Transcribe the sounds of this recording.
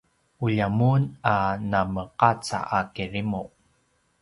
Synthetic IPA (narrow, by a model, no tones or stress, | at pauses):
uʎamunanaməqat͡sa̰ʔakirimuʔ